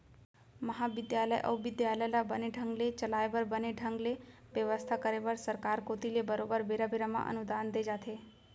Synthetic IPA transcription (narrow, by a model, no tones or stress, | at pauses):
məɦaʋɪd̪jaləjʔə̰ʋʋɪd̪jaləjlabəneɖʱəŋɡlet͡ʃəlaebəɾbəneɖʱə̃ŋɡle | ʋjəʋəst̪ʰakəɾebəɾsəɾkaɾkot̪ilebəɾobəɾbeɾabeɾamã̰ʔə̰nʊd̪aːnd̪ed͡ʒaːt̪ʰe